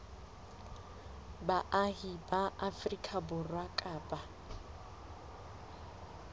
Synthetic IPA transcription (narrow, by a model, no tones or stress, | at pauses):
baʔaɦibaʔafrikʼabʊrwakʼaːpʼa